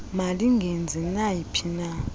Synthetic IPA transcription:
maliŋɡʱend͡zʱɛnajipʰina

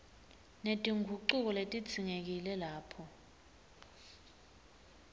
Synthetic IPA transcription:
netʼiŋʱuǃuk̬ɔletʼi̥t͡sʰiŋek̬ilɛlaːpʰɔ

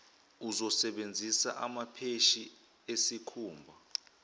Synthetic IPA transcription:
uzɔsɛɓend͡zʱisa̰ʔamapʰeʃi | esikʰuːmbʱa

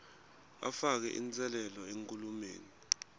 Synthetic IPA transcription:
a̰fak̬ɛ̰ʔḭnt͡sʼɛlɛlɔeŋkʼulumḛːni

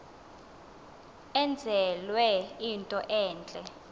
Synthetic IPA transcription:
ɛnd͡zʱɛlwɛintʼɔʔɛːnt͡ɬʼɛ

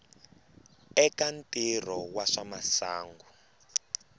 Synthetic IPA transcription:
ɛkantʼirɔwaʂamasaːŋɡu

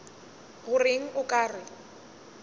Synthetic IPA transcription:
ɣʊrɪŋ̩ʔʊkʼaːrɪ

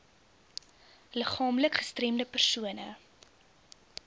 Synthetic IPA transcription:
ləχɑːmləkχəstremdəpərsuənə

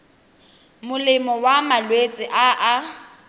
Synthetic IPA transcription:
mʊlɪmɔwamalwet͡sʼɪʔaʔː

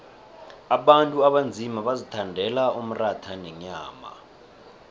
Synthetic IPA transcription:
aɓantʼuaɓand͡zʱimaɓazitʰandʱɛlaum̩ratʰanɛɲaːma̰

